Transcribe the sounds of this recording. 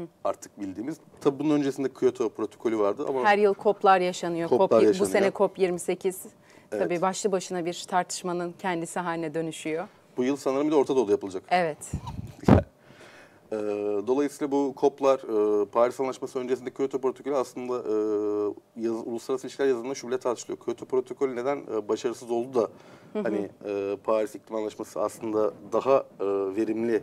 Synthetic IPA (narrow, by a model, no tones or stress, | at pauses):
aɾt̪ʰɯ̥k̚bilʲd̪iːmiz̥ | t̪ʰabibununø̞nd͡ʒesind̪ɛkʰujot̪ʰo̞pɾo̞t̪ʰokʰolʲyvaɾd̪ɯʔa̰mahæɾjɯlˠkʰo̞plˠaɾjaʃanɯjooaabuse̞nɛkʰo̞pjiɾmise̞cʰiz̥ | t̪abiːbaʃlˠɯbaʃɯnabiɾt̪ʰaɾt̪ʰɯ̥ʃmanɯncʰɛnd̪isiɦaːlʲinɛd̪ø̞nyʃyjo̞ | b̥ujɯlˠsanɯɾɯmid̪ɛo̞ɾt̪ʰad̪aolˠujapʰɯlˠad͡ʒakevɛt̪jɛ | ɛːd̪o̞lˠajɯsijlˠabukʰo̞plˠaɾ̥ɯpʰaːɾisanlˠaʃmasɯø̞nd͡ʒesind̪ɛcʰøt̪ʰypɾot̪ʰo̞kʰo̞lʲɛaslˠɯnd̪aʔːjulˠuslˠaɾasɯilʲiʃcilʲæɾjazɯnaʃubilʲɛɛt̪ʰaɾt̪ʰɯʃlˠjocʰøt̪ʰypɾo̞t̪ʰo̞kʰolʲyne̞d̪ænːbaʃaɾɯsɯzo̞lˠd̪ud̪ahaniɛːpʰaːɾisiclʲimanlˠaʃmasɯaslˠɯnd̪ad̪aɦaɯːve̞ɾimlʲɪ